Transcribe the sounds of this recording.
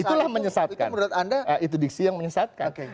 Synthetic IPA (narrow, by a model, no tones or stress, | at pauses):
it̪ulahməɲəsat̪ka̰nməɾuat̪andaait̪̬udiksijaŋməɲəsat̪̚ka̰ke